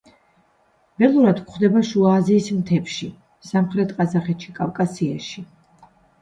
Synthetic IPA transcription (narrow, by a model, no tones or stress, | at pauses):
b̥ɛlˠuɾad̪kʰχd̪ɛbaʃuaːziːsmt̪ʰɛpʃi | samχɾɛt̪ʰqʼazaχɛt̪ʃikʼafkʼasiaʃi